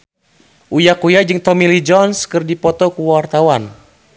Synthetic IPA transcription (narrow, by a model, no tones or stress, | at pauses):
ʔujakujad͡ʒɨŋt̪ɔmilid͡ʒɔnskɨrdipɔt̪ɔkuwart̪awan